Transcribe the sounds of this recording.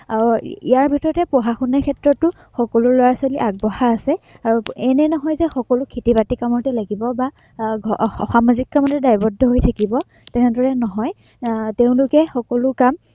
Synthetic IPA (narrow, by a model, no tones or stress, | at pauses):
auiaɹbʱitɔɹɔtɛpɔɦaxunɛkʰɛtɹɔtːʊ | xɔkɔlʊlɔwasoliʔaɡ̚bɔhaasɛaɹuɛnɛnɔɦɔjzɛxɔkɔlʊkʰitibatikamɔtɛlaɡibɔba | xamazikːamɔtɛdajbɔdʱːɔɦojtʰakibɔ | tɛnɛdɔɹɛnɔɦɔj | teʊ̃lʊkɛxɔkɔlʊkam